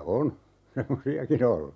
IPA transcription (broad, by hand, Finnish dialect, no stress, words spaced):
on semːosiɑkin olːu